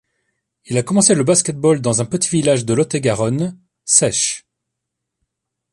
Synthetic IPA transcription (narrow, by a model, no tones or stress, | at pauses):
ilakɔmɑ̃seləbaskʲɛt̪̚bɔld̪ɑ̃zɛ̃pət̪ivilaʒd̪əlɔt̪eɡaʁɔn | sɛʃ